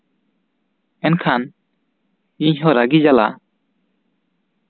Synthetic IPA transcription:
ɛnkʰan | iɲɦɔ̃ɾaɡid͡ʒala̰

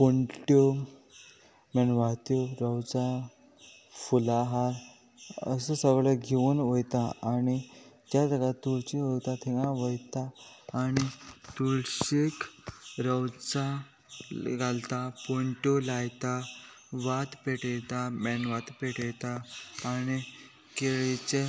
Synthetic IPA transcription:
poɳʈo | mɛnʋat̪joɾəwt͡sa | fulaɦaɾ | ə̰səsəɡɭəɡʱeuːnʋəjt̪aañid͡ʑjad̪əɡat̪uɭt͡ɕiɦot̪at̪ʰiɡãʋəjt̪aːñit̪uɭɕekɾəwt͡sa | ɡalt̪apoɳʈolajt̪a | ʋat̪peʈejt̪amɛnʋat̪peʈejt̪aːñi | keɭet͡ɕe

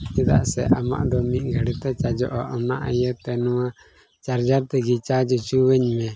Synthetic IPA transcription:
ɛd̪a̰ʔsɛ̰ʔama̰ʔd̪ɔmit̪̚ˀɡʱaɽit̪ɛt͡ʃad͡ʒɔ̰ʔɔʔɔnaʔajət̪ɛnɔwa | t͡ʃaɾd͡ʒaɾt̪ɛɡit͡ʃad͡ʒɔt͡ʃuwɛɲmɛ

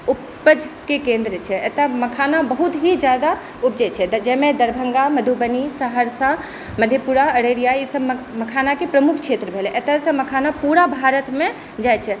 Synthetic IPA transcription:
upːəd͡ʒʱkekẽnd̪ɾət͡ʃʰɛet̪aməkʰanabəɦut̪ɦid͡ʒjad̪a | up̚d͡ʒɛt͡ʃʰɛd͡ʒɛmed̪əɾbʱəŋɡaməd̪ʱubənisəɦəɾsã | məd̪ʱjepuɾaəɾeɾijaisəbməkʰanakepɾəmukʰt͡ʃʰet̪ɾəbʱelɛʔet̪asə̃məkʰanapuɾabʱaɾət̪me | d͡ʒajt͡ʃʰɛ

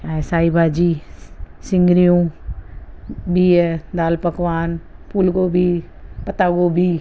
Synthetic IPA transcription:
asaːibʱaːd͡ʒiːsɪ̃ŋɡɾijũː | bʱiɛd̪aːlpəkʋaːnpuːlɡoːbʱiːpət̪aːɡoːbʱiː

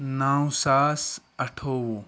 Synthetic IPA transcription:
naːwsaːsɐʈʰoːwu

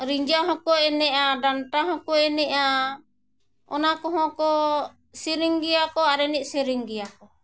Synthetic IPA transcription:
ɾiɲd͡ʒaɦɔ̃kɔɛnɛʔaɖanʈaɦɔ̃kɔɛnɛʔa | ɔ̰nakɔɦɔ̃kɔ | siɾiŋɡijakɔaɾɛniʔ̚siɾiŋɡɛjakɔ

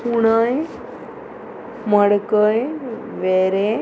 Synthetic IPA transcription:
uɽ̃əj | məɽkəjʋeɾe

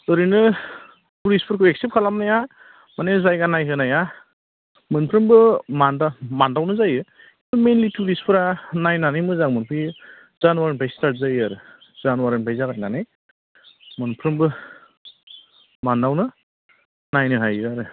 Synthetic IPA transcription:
ɯɾɯnɯ | tuɾispʰɯɾkʰɯweksep̚kʰalamnaja | manezajɡanajkɯnaja | mɯnpʰɾɯŋbɯmandamandawnɯzajɯ | ɯmenlituɾispʰɯɾanajnanɯjmɯzaŋmɯnpʰi | z̥anwaɾɯnbʰʱajstat̚zajaɾɯ | zanwaɾɯnbʰʱajzaɡajnanɯj | mɯnpʰɾɯŋbɯ | mandawnɯ | najnɯɦajɯaɾɯ

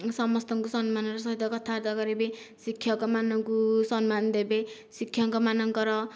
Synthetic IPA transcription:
sʌmʌst̪ʌŋkusʌnmanrʌsʌɦid̪ʌkʌt̪ʰaɾd̪ʌɡʌɾebe | sikʰjʌkomanʌŋkusʌnmand̪ebe | sikʰːjʌŋkɔmanʌŋkʌɾʌ

